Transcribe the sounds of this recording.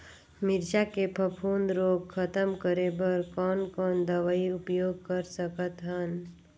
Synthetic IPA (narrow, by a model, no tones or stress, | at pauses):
mɪɾʃakepʰəpʰuːnd̪ɾoːɡ̚kʰət̪əmkəɾebəɾkɔːnkɔːnd̪əʋaiʊpjoːɡ̚kəɾsəkət̪ɦən